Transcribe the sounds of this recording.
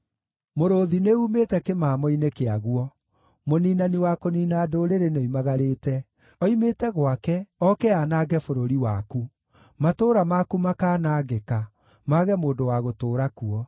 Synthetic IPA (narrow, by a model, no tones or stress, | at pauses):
moɾoðineuːmetɛkemaːmɔinekeaɣuɔ | moniːnaniwakoniːnadoɾeɾeneimaɣaɾeːtɛ | ɔimetɛɣwakɛɔkɛanaːɡɛfoɾoɾiwaku | matoːɾamakumakaːnaːɣeka | maːɣɛmoːndowaɣotoːɾakuɔ